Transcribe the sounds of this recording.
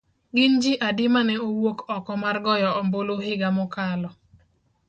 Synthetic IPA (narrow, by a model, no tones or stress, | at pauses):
ɡɪnd͡ʒɪʔadɪmanɛowokɔkɔmarɡɔjɔɔmbolohɪɡamɔkalɔ